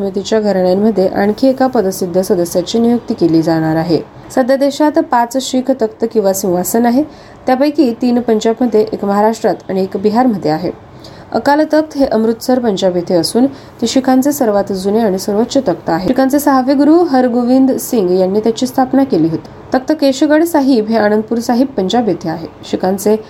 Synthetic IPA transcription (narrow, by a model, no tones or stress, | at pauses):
səmit̪it͡ɕjaɡʱəɾɳjamːəd̪ʱːjeʔaɳkʰiekapəd̪əsid̪ʱːəsəd̪əsjat͡ɕiːnijuk̚t̪iːkeliːd͡zaɽ̃aɾaɦe | səd̪ʱjad̪eɕat̪pat͡sɕikʰt̪əkt̪əkĩw̃ʋasĩw̃ʋasənaɦe | t̪japajkiːt̪iːnpəɲd͡ʑabməd̪ʱːjeʔekməɦaɾaʂʈɾat̪aɽ̃iekbiɦaɾməd̪ʱːjeaɦḛ | ə̰kalt̪ək̚t̪ɦeʔəmɾut̪səɾpəɲd͡ʑabet̪ʰeəsuːn | t̪iɕikʰant͡sesəɾʋat̪d͡zuneaɽ̃isəɾʋot̪ːɕət̪ək̚t̪əaɦeikʰant͡sesəɦaʋiɡɾuːɦəɾɡoʋind̪siŋɡjanːiːt̪jat͡ɕiːst̪ʰapnakeliːɦot̪i̥ːt̪ək̚t̪əkeɕɡəɽsaɦiːbɦeaɽ̃ənd̪əpuːɾsaɦibːəɲd͡ʑabet̪ʰeaɦe | ɕikʰant͡se